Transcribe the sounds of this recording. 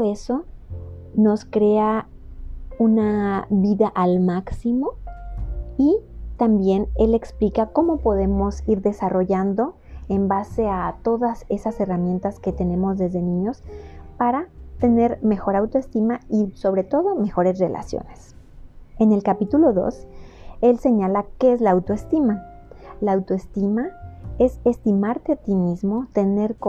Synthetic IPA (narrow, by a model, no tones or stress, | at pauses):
oeso̞ | no̞skɾe̞a | unaβiðaʔalmaksimo̞ | it̪ambje̞ne̞le̞ksplikako̞mo̞po̞ðe̞mo̞siɾðe̞saro̞ʝand̪o̞ | e̞mbase̞at̪o̞ðase̞sase̞ramje̞nt̪aske̞t̪e̞nẽ̞mo̞zðe̞zðe̞nĩɲo̞spaɾat̪e̞ne̞ɾme̞xo̞ɾawt̪oest̪imaiso̞βɾe̞t̪o̞ðo̞me̞xo̞ɾe̞sre̞lʔa̰sjo̰ne̞s | e̞ne̞lkapit̪ulo̞ðo̞̰selse̞ɲalakeezlaːwt̪oe̞st̪ima | laːwt̪oe̞st̪imae̞se̞st̪imaɾt̪e̞at̪imizmo̞t̪e̞ne̞ɾk